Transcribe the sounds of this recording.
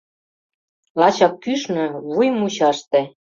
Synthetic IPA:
lɑt͡ɕɑk̚kyʃnø̆βujmut͡ɕɑʃt̪ĕ

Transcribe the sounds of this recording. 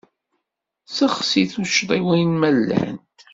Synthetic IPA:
səχsiθuʃd̪ˤiwijnmælːæ̰nt̪

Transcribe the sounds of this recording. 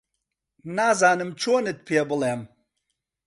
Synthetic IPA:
naːzaːnɨmt͡ʃʰoːnɨt̪̚pʰeːbɨleːm

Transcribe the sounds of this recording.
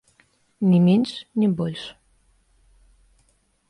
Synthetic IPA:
nʲɛmʲenʲʂnʲɛbɔlʲʂ

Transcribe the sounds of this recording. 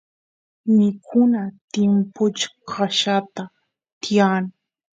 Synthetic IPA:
mɪkʰʊnat̪ɪmpʊt͡ʃḁkʰaʃat̪a | t̪ɪjaːŋ

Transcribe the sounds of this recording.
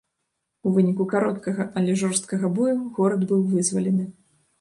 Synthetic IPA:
uvɨnʲikukaɾɔt̪kɐɣɐʔɐlʲɛʐɔrst̪kɐɣɐbɔjuɣɔɾɐd̪bɨwvɨzvɐlʲɛnɨ

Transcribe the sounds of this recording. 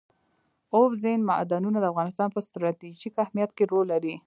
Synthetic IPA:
ofzenma̰ʔd̪anunad̪əafɣɑnɪst̪ɑnpəst̪ɾɑt̪iʒikahmijat̪keɾolːaɾi

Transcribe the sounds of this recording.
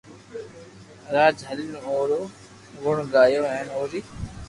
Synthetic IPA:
ɾaːd͡ʒɦəlɪnoːɾoː | ɡʊɳɡaːjoːɛ̃ːnoːɾiː

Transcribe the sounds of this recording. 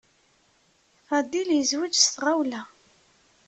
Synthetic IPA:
ad̪iljəzwid͡ʒst̪ʁawlæ

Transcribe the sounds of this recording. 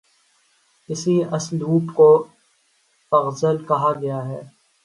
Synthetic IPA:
kɪsiɐsluːpko | fɐɣzəlkɐɦaɡɐjaɦɛː

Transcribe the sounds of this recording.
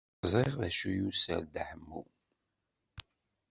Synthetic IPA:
zˤiʁæʃujusə̰ɾd̪ħəmːu

